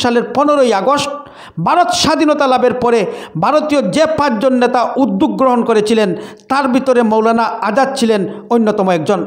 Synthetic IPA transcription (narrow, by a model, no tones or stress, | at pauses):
ʃaleɾpɔnoɾojaɡosʈ̚ | bʱaɾot̪ʃad̪ʱinot̪alabeɾpɔɾebʱaɾot̪ijod͡ʑepat͡ɕd͡ʑonːet̪aud̪ːuk̚ɡɾoɦonkoɾet͡ɕʰilent̪aɾbʱit̪oɾemowlanaad͡ʑad̪̚t͡ɕʰilenojnːot̪ɔmoɛk̚d͡ʑon